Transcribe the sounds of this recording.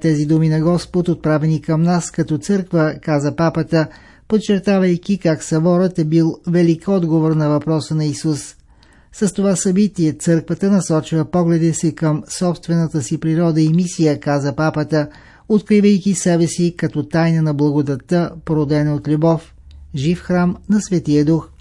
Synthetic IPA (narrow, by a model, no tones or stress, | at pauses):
t̪ɛzid̪uminɐɡɔspot̪ot̪̚pɾavɛnikəmnaskɐt̪ɔt̪sɤɾkvəkazəpapət̪ə | pot̪t͡ʃɛɾt̪avəjk̟ikaksɐbɔɾət̪ɛbilˠvɛlikɔd̪ɡovoɾnɐvɐpɾɔsənɐisus | səst̪ovasɐbit̪iɛt̪sɤɾkvət̪ənɐsɔt͡ʃivəpɔɡlɛd̪isikəmsɔpst̪vɛnət̪əsipɾiɾɔd̪əimisijəkazəpapət̪ə | ot̪kɾivəjkisɛbɛsikɐt̪ɔt̪ajnənɐblˠɐɡod̪ɐt̪ːəpoɾod̪ɛnot̪lʲubɔf | ʒifxɾamnɐsvɛt̪ijəd̪ux